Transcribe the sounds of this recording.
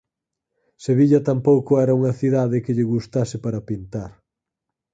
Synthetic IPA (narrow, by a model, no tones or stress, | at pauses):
seβiʎɐt̪ampowkʊɛɾɐuŋɐθiðaðɪkɪʎɪɣust̪asɪpaɾɐpint̪aɾ